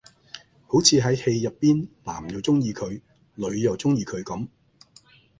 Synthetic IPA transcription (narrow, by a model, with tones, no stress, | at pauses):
ho˨˥wt͡sʰiː˨˧ɦɐ˨˥jhe˧jːɐ˨pːiː˥nla̰ː˨˩mjɐ˨˩wt͡sʊ˥ŋjiː˧kʰɵ˨˧ɥ | lɵ˨˧ɥjɐ˨wt͡sʊ˥ŋjiː˧kʰɵ˨˧ɥkɐ˨˥m